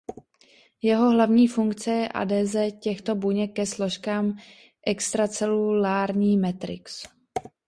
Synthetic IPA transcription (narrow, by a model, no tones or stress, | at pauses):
jɛɦo̞ɦlavɲiːfuŋkt͡sɛjɛʔa̰dɛːzɛːcɛxt̪o̞buɲɛkːɛslo̞ʃkaːm | ʔɛkst̪ɾat͡sɛlulaːɾɲiːmɛt̪ɾɪ̰ks